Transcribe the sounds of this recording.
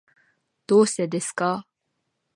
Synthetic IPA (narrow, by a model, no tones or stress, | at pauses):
d̪̥oːsɛd̪eska